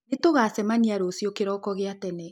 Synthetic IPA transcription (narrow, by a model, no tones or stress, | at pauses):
etoɣaːsɛmaɲiaɾoːsiokeɾɔːkɔɣeatɛne